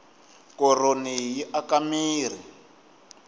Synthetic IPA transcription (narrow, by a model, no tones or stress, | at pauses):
kɔronijiʔakamiːr̤i